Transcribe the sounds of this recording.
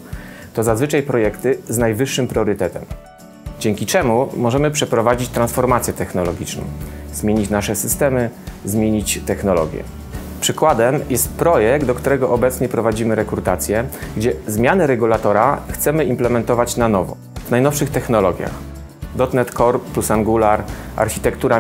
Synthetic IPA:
t̪ɔzazvɘt͡ʂajpɾɔjɛkt̪ɘznajvɘʂːɘmpɾʲɔɾɘt̪ɛt̪ɛm | d͡ʑɛŋkʲit͡ʂɛmumɔʐɛmɘpʂɛpɾɔvad͡ʑit͡ɕt̪ɾansfɔɾmat̪sʲjɛt̪ɛxnɔlɔɡʲit͡ʂnɔ̰̃w̃zmʲjeɲit͡ɕnaʂɛsɘst̪ɛmɘzmʲjeɲit͡ɕt̪ɛxnɔlɔ̰ɡʲjɛ̰ | pʂɘkwad̪ɛmjɛst̪̚pɾɔjɛɡd̪d̪ɔkt̪uɾɛɡɔʔɔbɛt̪sɲɛpɾɔvad͡ʑimɘɾɛkɾut̪at̪sʲjɛɡd͡ʑɛzmʲjanɛɾɛɡulat̪ɔɾaxt̪sɛmɘimplɛmɛnt̪ɔvat͡ɕnanɔvɔ̰ | vnajnɔfʂɘxt̪ɛxnɔlɔɡʲja̰x | d̪ɔt̪nɛt̪kɔɾplusaŋɡulaɾa̰ɾxʲit̪ɛkt̪uɾa

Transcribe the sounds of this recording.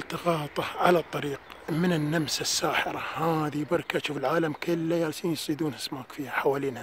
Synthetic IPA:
lt̪ɑɣɑːt̪ˤɑʕalat̪ˤːɑɾiːqmɪnɪnːamsɪsːaːħɪɾˤahaːðibɑɾˤkaʔaʃuːfɪlʕaːlamkɪlːajasiːnjɪsˤiːd̪uːnʔasmaːkfiːhaħawaːliːnha

